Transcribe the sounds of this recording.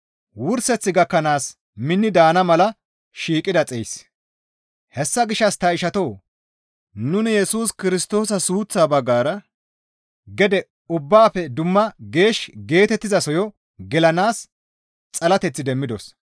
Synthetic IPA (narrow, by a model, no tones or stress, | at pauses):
wʊɾsɛt͡sːɪɡɐkːɐnaːs | mɪnːɪd̪aːnɐmɐlɐ | ʃiːkʼːɪd̪ɐt͡sʼejs | hɛsːɐɡɪʃɐst̪ɐɪʃɐt̪o̞ː | nʊnɪjɛsuːskɪɾɪst̪o̞ːsɐsuːt͡sːaːbɐɡːaːɾɐ | ɡɛd̪ɛ | ʊbːaːfɛd̪ʊmːɐɡe̞ːʃɡe̞ːt̪ɛt̪ːɪzɐsɔjɔ | ɡɛlɐnaːs | t͡sʼɐlɐt̪ɛt͡sːɪd̪ɛmːɪd̪ɔs